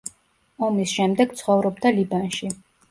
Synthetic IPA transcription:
ɔmisʃɛmd̪ɛɡ̥t̪sʰχɔvɾɔbd̪alibanʃi

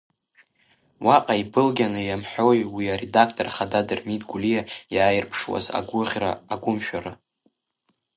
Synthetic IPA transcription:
waqʼaibɨlɡʲanɨjamħʷojwiaɾedakʰtʼorχadadɨrmitʼɡʷulijajaːjɪrpʰʂwa̰za̰ɡʷʊʁʲra̰ːɡʷʊmʃᶣaɾa

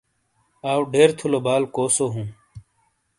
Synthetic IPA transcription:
aːwɖeːɾt̪ʰulobaːlkoːsoːɦũː

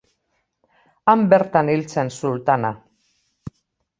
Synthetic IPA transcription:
ambeɾt̪anilt͡sensult̪ana

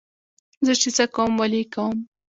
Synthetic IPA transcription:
zəʃisakawmwalikawəm

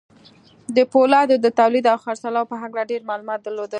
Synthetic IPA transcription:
d̪əpolɑd̪od̪ət̪awlid̪awxaɾsalaopəɦaklaɖeɾmɑlumɑt̪̚d̪əɾlod̪əl

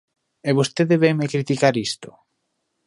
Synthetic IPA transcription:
eβost̪eðeβejmekɾit̪ikaɾist̪ʊ̥

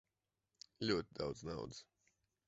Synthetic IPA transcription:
lʲuɔt̪ʲid̪awd̪zna̰wd̪z

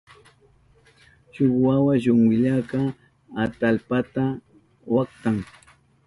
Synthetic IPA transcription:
ʃʊkwawaʃʊŋwɪʎaka | at̪alpat̪a | wakt̪aŋ

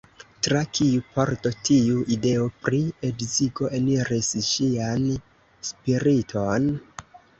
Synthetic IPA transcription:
tɾakʰiupo̞ɾtotʰiuʔide̞opɾie̞dziɡo̞ʔe̞niɾisʃian | spiɾitʰo̞n

